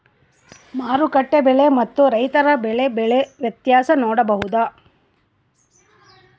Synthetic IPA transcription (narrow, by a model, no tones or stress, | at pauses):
maːɾukɐʈːebɛɭe̞mɐt̪ːuɾɐjt̪ɐɾɐbɛɭe̞bɛɭeʋjɐt̪jaːsɐnoːɽɐbɐɦud̪aː